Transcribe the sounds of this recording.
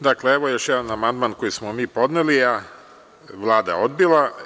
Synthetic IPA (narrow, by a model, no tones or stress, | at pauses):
d̪akle̞eʋojo̞ʃjɛd̪anamand̪maːnko̞jismomiːpo̞d̪nelia | ʋlˠaːd̪a̰o̞d̪̚bilˠa